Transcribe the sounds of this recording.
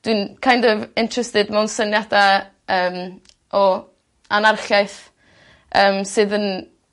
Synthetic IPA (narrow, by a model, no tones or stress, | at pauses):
d̥winkʰajndɔvɪntʰrɛstɨdmɛwnsənjada | əːm | ʔɔ | anarχjajθ | əːmsɨːðən